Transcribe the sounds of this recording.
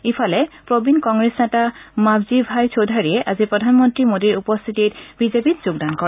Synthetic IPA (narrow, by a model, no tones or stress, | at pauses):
ipʰalepɹobinkɔŋɡɾesnatamabzibʱajt͡ɕʰod̪ʱaɹieʔazipɾod̪ʱanmɔntɾimod̪iɹupɔst̪ʰit̪iɾbizepitd͡ʑoɡ̚d̪ankɔ